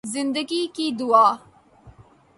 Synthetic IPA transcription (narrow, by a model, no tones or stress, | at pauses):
zɪnd̪əɡikid̪uaː